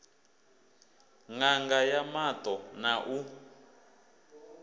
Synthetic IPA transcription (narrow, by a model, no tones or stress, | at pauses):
ŋaŋɡajamat̪ʼɔnaʔu